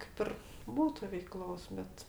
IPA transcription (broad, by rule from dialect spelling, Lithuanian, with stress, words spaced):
kɐɪp ˈɪr ˈbuːtʊ ʋʲɛɪˈklˠoːs ˈbʲɛt